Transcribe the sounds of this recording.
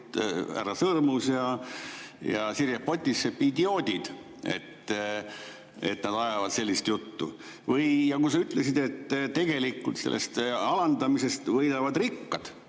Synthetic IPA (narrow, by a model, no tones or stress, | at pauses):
æ̰ɾɑsɤrmusjɑ | jɑsirjɑpːo̞t̪ʲːˑisːepid̪ʲio̞ːd̪̥ʲid̪̥ | e̞̰t̪ː | e̞̰t̪ːnɑd̪̥ɑjɑvɑd̪se̞lʲːist̪jut̪ːṵ | vɤjjɑkus̬ɑyt̪ˑle̞sid̪e̞t̪ːt̪e̞ɡe̞likːˑult̪se̞̰lːʔest̪ɑlɑnd̪ɑmise̞st̪vɤjd̪ɑvɑd̪rikːɑd̪̥